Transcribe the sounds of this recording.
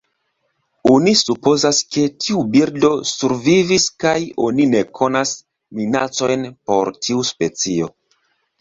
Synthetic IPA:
onisupo̞zaske̞tʰiubiɾdo̞suɾviviskajo̞nine̞kʰo̞nas | minat͡so̞jnpo̞ɾtʰiuspe̞t͡sio̞

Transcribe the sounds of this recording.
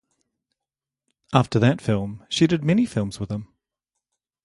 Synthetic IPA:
ʔæftə˞ðɨtfɪlˠmʃidɨd̚mɛnifɪlˠmz̥wɨðə̃m

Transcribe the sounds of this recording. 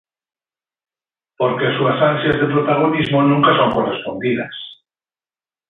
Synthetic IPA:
poɾkeasuasansjazðepɾot̪aɣ̞onizmonũŋkasoŋkorespond̪iða̰s

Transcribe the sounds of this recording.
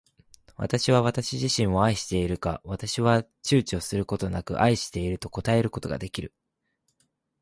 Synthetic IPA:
βa̰t̪aɕiβ̞aβ̞at̪aɕiʑiɕĩɰ̃o̞aiɕi̥t̪e̞iɾɯ̟ka̰βat̪aɕiβa | t͡ɕɨːt͡ɕio̞sɨɾɯ̟ko̞t̪o̞nakɯ̟̰ʔaiɕi̥t̪e̞iɾɯ̟t̪o̞ko̞t̪ae̞ɾɯ̟ko̞t̪o̞ɡa̰d̪e̞kʲiɾɯ̟

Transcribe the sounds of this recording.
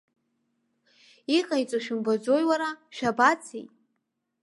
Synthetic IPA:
iqʼajt͡sʼaʃᶣɪmbad͡zojwaɾaʃᶣabat͡sʰḭjtʼ

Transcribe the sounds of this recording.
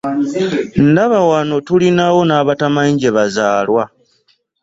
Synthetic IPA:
n̩daβawano̞tulinawo̞naːβatamaɲɟe̞βazaːlwa

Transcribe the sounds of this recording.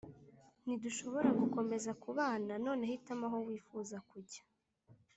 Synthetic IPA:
niduʃo̞βo̞ɾaɡuko̞me̞zakuβaːnano̞ːne̞hitamaɦo̞wiːfuːzakuɟḁ

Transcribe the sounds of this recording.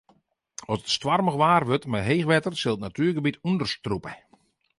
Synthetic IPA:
ɔsətstʋarməɣʋaːrʋøtmaɦeːxʋɛtərsɪlˠətnatyːrɡəbitundərstrupə

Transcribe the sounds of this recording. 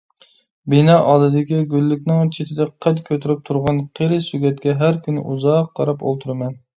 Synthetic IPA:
binɑʔɑd̪ɨd̪ɪkʲiɡʲylːɪkʲnɪŋt͡ʃʰet̪ʰɪd̪ɛqʰɛt̪kʲʰøt̪ʰyɾyp̚t̪ʰuɾʁɑnqʰeɾɪsyɡʲɛt̪̚kʲɛɦæɾkʲʰynɪ̰ʔuzɑqʰːɑ̰ɾɑpo̰lˠt̪ʰuɾɨmɛn

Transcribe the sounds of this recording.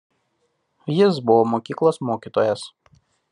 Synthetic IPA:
jɪs̬bʊʋoːmoːkʲiːklˠoːsmoːkʲiːt̪oːjɛs

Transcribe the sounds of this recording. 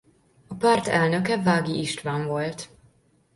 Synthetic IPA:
ɒpaːrt̪ɛlnø̞kɛvaːɡiʔiʃt̪ʋaːɱvo̞lt̪

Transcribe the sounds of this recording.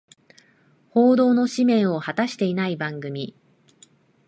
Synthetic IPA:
ho̞ːd̪o̞ːno̞ɕimẽ̞ɰ̃o̞hat̪aɕi̥t̪e̞inaibãŋɡɯ̟mʲi

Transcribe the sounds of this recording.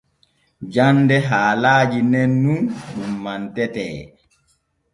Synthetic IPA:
d͡ʒandɛɦaːlaːd͡ʒinɛnːunɗumːantɛtɛː

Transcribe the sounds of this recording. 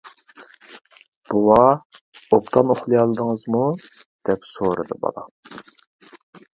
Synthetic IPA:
b̥owɑ | opt̪ʰɑnoχlˠɨjɑlˠɨd̪əŋəzmu | d̪̥ɛpsoɾɨd̪ɨbɑ̰lˠɑ̰

